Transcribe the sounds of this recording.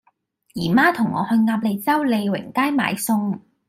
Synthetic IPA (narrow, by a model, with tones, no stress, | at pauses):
jiː˨˩maː˥t̪ʰʊ˨˩ŋːɔ̰˨˧hɵ˧ŋaː˧p̚le˨˧jt͡sɐ˥wle˨˧jwɪ̰˨˩ŋkaː˥jma̰ː˨˧jsʊ˧ŋ